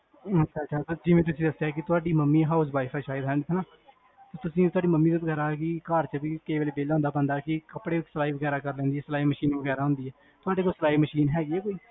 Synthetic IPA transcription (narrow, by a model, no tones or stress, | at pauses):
ət͡ʃːʃʰaːt͡ʃʃʰaːt̪ːd͡ʒɪʋẽːt̪̬ʊsĩːd̪əsjakɪt̪ʊaːɖiːməmːiːɦaːʊsbaːifʰaːʃaːɪd̪ɦɛ̃ːɳɖt̪ʰːnaː | t̪ot̪ʊsĩːt̪ʊaːɖiːməmːiːd̪bəɡɛːɾaːkikaːɾt͡ʃəbiːkeiʋeːleːbeːlaːõnd̪aːpə̃nd̪aːkɪkəpɽeːsəlaːiːbəɡɛːɾaːkəɾlɛ̃ːnd̪iːɛːsəlaːiːməʃiːnbəɡɛːɾaːɦʊ̃nd̪iːɦɛː | t̪ʊaːɖeːkoːsəlaːiːməʃiːnɦɛːɡiɛːkoːiː